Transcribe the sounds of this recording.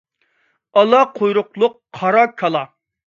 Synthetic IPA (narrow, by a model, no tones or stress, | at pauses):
ɑlˠɑqʰojɾʊqlˠʊqːʰɑɾɑkʰɑlˠɑ